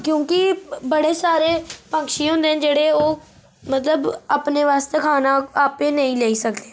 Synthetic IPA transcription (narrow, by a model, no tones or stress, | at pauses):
kjõːkɪbəɽeːsaːɾeːpə̃ŋkʃĩːɦõːnd̪eːɛ̃d͡ʒeːɽeːoː | mət̪ləbapneːʋaːst̪eːkʰaːnaːaːpeːnəĩːlɛːiːsəkd̪eː